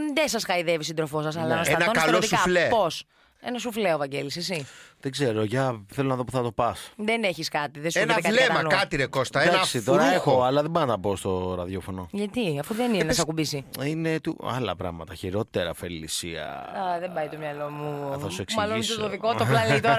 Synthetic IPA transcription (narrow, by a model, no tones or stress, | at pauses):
ðesɐsxɐiðevisind̪ɾofo̞s̬ɐs̬ɐlɐseɐnɐoksɐlot̪isukɐflepos | e̞nɐsufleovɐɟelises̬iðeɡzeɾo̞ʝɐθelo̞nɐðo̞puθɐt̪o̞pɐsðeneçiskɐt̪iðesenɐikɐleɐmɐkɐt̪iɾekost̪ɐed̪aɐsit̪oɾɐexoɐlɐðebonɐt̪ɐpoːst̪o̞ɾɐðjofo̞no̞ʝɐt̪iɐfuðeninenɐs̬ɐkubisiinet̪uɐ̰lɐ̰pɾɐ̰ɣmɐt̪ɐçiɾo̞t̪eɾɐfelisiɐ̰ɐðebɐjt̪o̞mɲɐlo̞muθɐsueksmɐlonsot̪oðikot̪oplɐnit̪ɾɐ